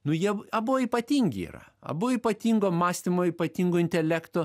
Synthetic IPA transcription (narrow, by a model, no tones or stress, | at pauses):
nʊjiɛɐbʊʋoːipɐt̪ʲiːŋʲɡʲɪ̰ḭrɐ̰ɐ̰bʊʋoiːpɐt̪ʲiːŋɡoːmɑːsʲt̪ʲɪmoːiːpɐt̪ʲiːŋɡʊɪnʲt̪ʲɛlʲæːkt̪oː